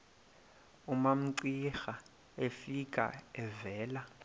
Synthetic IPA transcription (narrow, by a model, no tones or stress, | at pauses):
umam̩ǀixa | efikʼa̰ɛvɛːla